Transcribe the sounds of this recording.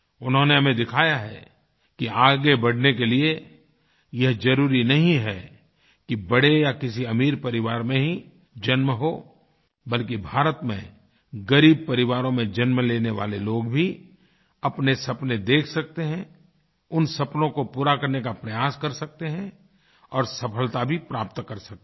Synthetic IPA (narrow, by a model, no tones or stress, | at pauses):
ʊnɦõneɦɐmẽd̪ɪkʰaːjaɦɛ̰ | kiaːɡebɐɽ̤nekelie | jɐɦd͡ʒɐɾuːɾinɐɦĩɦɛ | kibɐɽejakɪsiɐmiːɾpɐɾɪʋaːɾmẽɦĩ | d͡ʒɐnmɦoː | bɐlkibʱaːɾət̪mḛ̃ | ɡɐɾiːb̚pɐɾɪʋaːɾõmẽd͡ʒɐnmleːneʋa̰ːleloːɡbʱi | ɐpnesɐpned̪eːkʰsɐk̚t̪eɦɛ̃ | ʊnsɐpnõkopuːɾakɐɾnekapɾɐjaːskɐɾsɐk̚t̪eɦɛ̃ | ɔːɾsɐpʰəlt̪abʱipɾaːpt̪kɐɾsɐk̚t̪e